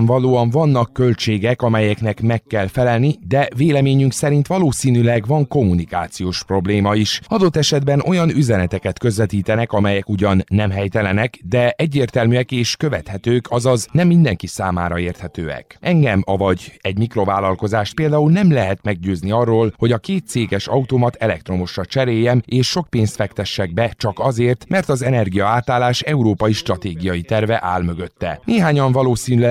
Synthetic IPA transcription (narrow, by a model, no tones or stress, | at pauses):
ɱvɒloːɒɱvɒnːɒkːø̞lt͡ʃeːɡɛkɒmɛjɛknɛkmɛkːɛlfɛlɛlnid̪ɛveːlɛmeːɲyŋksɛɾint̪ʋɒloːsiːnylɛɡʋɒŋko̞munika̰ːt̪sijoːʃpro̞bleːmɒiʃɒd̪o̞t̪ːɛʃɛd̪bɛno̞jɒnyzɛnɛt̪ɛkɛt̪kø̞zʋɛt̪iːt̪ɛnɛkɒmɛjɛkuɟɒnːɛmɦɛjt̪ɛlɛnɛkd̪ɛʔɛɟːeːrt̪ɛlmyɛkeːʃkø̞vɛt̪hɛt̪øːkɒzɒznɛmːind̪ɛŋkisaːma̰ːɾɒeːrt̪hɛt̪ø̰ːɛ̰kʔɛŋɡɛmɒvɒɟɛɟmikro̞vaːlːɒlko̞zaːʃt̪peːld̪aːulnɛmlɛɦɛt̪mɛɡ̚ɟøːzniɒrːoːlho̞ɟɒkeːt̪̚seːɡɛʃɒut̪omɒt̪ʰɛlɛk̚t̪ro̞mo̞ʃrɒt͡ʃɛɾeːjːɛmeːʃːo̞kpeːnst̪fɛkt̪ɛʃːɛɡ̚bɛt͡ʃɒkɒzeːrt̪mɛrt̪ɒzɛnɛrɡijɒaːt̪aːlːaːʃɛuɾoːpɒjiʃt̪rɒt̪eːɡijɒjit̪ɛrvɛʔaːlmø̞ɡø̞t̪ːɛ̰neːɦaːɲɒɱvɒloːsiːnylɛ